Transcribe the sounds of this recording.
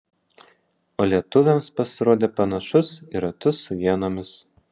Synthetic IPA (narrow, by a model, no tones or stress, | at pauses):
oːlʲiɛt̪ʊʋʲɛmspɐsʲɪɾoːd̪ʲeːpɐnɐʃʊsiɾɐt̪ʊsʊʋʲiɛnoːmʲɪs